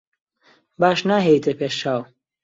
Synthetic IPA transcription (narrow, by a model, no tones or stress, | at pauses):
baːʃnaːɦejt̪ʰəpʰeːʃt͡ʃaːw